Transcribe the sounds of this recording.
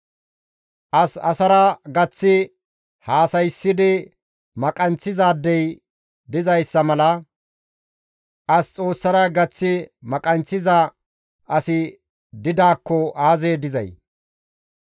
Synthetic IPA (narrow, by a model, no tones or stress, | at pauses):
ʔɐsɐsɐɾɐɡɐt͡sːɪ | haːsɐjsːɪd̪ɪ | mɐkʼɐnt͡sːɪzaːd̪ːɛj | d̪ɪzɐjsːɐmɐlɐ | ʔɐst͡sʼo̞ːsːɐɾɐɡɐt͡sːɪmɐkʼɐnt͡sːɪzɐ | ɐsɪ | d̪ɪd̪aːkːɔaːzeːd̪ɪzɐ̰j